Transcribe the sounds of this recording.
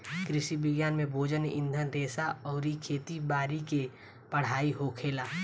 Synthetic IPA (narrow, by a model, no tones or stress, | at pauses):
kɾɪʃibɪɡjaːnmẽbʱoːd͡ʒənɪ̰̃nd̪ʱənɾeːsaɔːɾikʰeːt̪ibaːɾike | pəɽ̤aːiɦokʰeːlaː